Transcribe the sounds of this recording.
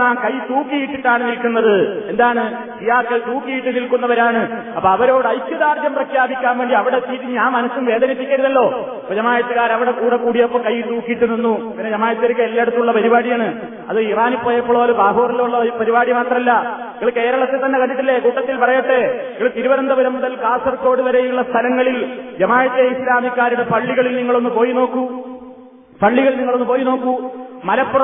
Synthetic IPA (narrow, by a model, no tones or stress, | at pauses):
aːkɐjt̪uːkːijiʈːiʈːaːɳɨnilkːunːɐðɨe̞nd̪aːɳɨ | sijaːkːɐlt̪uːkːijiʈːɨnilkunːɐʋɐɾaːɳɨ | ɐpːɐɐʋɐɾo̞ːɽɨɐjsjɐðaːrd̪d͡ʑjɐmprɐkʰjaːbikʲːaːnʋe̞ːɳɖiɐʋiɽet̪iːt̪ːiɲaːnmɐnɐsumʋe̞ːd̪ɐnipːikʲːɐɾuðɐlːo̞ː | ɐpːod͡ʑɐmaːjɐt̪ːuɣaːɾɐʋiɽekuːɽekuːɽijɐpːoːkɐjt̪uːkːijiʈːuninːupinːed͡ʑɐmaːjɐt̪ːɨɐɾikːeelːeɽut̪ːuɭːɐpɐɾibaːɽijɐːɳɨ | ɐ̰ðɨiraːnipːoːjɐpːoɭoːlubaːɦoːrɐlːɐuɭːɐpɐɾibaːɽimaːʈ̪rɐmɐlːɐ | iŋːɐɭkeːɾɐɭɐt̪ːet̪ːɐnːekɐɳɖiʈːilːe̞kuːʈːɐt̪ːilpɐrɐjɐʈːeiŋɐɭt̪iɾubɐɾɐnd̪ɐbɐɾɐmːuðɐlkaːsɐrko̞ːɽuʋɐɾejuɭːɐst̪ʰɐlɐŋːɐɭild͡ʑɐmaːjɐt̪ːjeislaːmikʲːaːɾuɽe̞pɐɭːiɣɐɭilniŋːɐɭo̞nːupo̞ːjino̞ːkːu | pɐɭːiɣɐɭilniŋːɐɭo̞nːɨpoːjino̞ːkːumɐlɐpːur